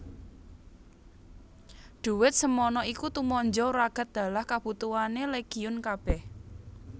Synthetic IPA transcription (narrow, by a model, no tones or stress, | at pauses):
ɖ̪̥ṳwɪt̪̚səmɔnɔikut̪umɔɲd͡ʒɔɾaɡ̥a̤t̪̚d̪̥a̤lahkab̥ut̪uaneleɡ̥iʊnkab̥ɛh